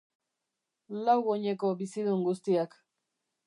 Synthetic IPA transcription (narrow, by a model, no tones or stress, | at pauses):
lawɣoɲeko̞bisiðuŋɡust̪iak